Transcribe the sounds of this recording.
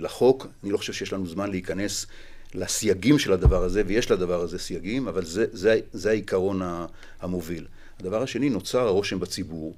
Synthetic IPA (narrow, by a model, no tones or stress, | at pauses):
laχo̞kanilo̞xoʃevʃejeʃlanuzmanleikane̞s | lasjaɡimʃe̞lad̪avaʁaze̞veje̞ʃlad̪avaʁaze̞sjaɡimavalzezeazeaikaʁo̞na | hamo̞vil | had̪avaʁaʃe̞nino̞t͡saʁaʁo̞ʃembat͡sibuʁ